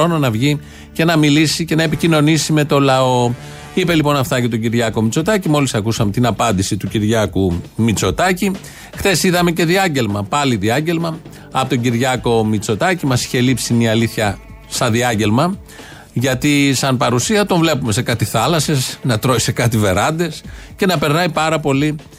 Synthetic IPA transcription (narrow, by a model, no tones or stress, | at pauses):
ononɐvʝi | ce̞nɐmilisice̞nɐepicino̞nisime̞t̪o̞lɐo̞ | ipe̞lipo̞nɐft̪ɐcet̪oɟiɾʝɐko̞mit͡so̞t̪ɐcimo̞lisɐkusɐme̞t̪inɐpɐnd̪isit̪uciɾʝɐkumit͡so̞t̪ɐci | xθe̞siðɐme̞ce̞ðiɐɲɟe̞lmɐpɐliðiɐɲɟe̞lmɐ | ɐpot̪oɟiɾʝɐko̞mit͡so̞t̪ɐcimɐsi̥çe̞lipsimiɐliθçɐ | st̪ɐðiɐɲɟe̞lmɐ | ʝɐt̪isɐnpɐɾusiɐt̪o̞ɱvle̞pume̞se̞kɐt̪iθɐlɐse̞snɐt̪ɾoi̥se̞kɐt̪ive̞ɾɐnd̪e̞sce̞nɐpe̞ɾnɐipɐɾɐpo̞li